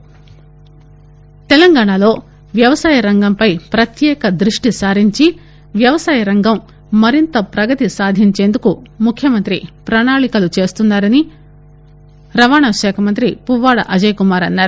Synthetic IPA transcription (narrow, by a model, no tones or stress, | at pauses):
t̪ɛlɐŋɡaːɳɐlo̞ː | ʋjɐʋɐsaːjɐɾɐŋɡɐmpɐjpɾɐt̪jɛːkɐd̪ɾuʂʈisaːɾiɲt͡ʃi | ʋjɐʋɐsaːjɐɾɐŋɡɐmː | ɐɾint̪ɐpɾɐɡɐt̪isaːd̪ʱiɲt͡ʃe̞ːnd̪ukumukʰjɐmɐnt̪ɾipɾɐɳaːɭikɐlut͡ʃe̞ːst̪unːaːɾɐni | ɾɐʋaːɳɐʃɛːkʰɐmɐnt̪̬ɾipuʋːaːɽɐ̰ʔɐd͡ʒɐjkumaːɾɐnːaːɾu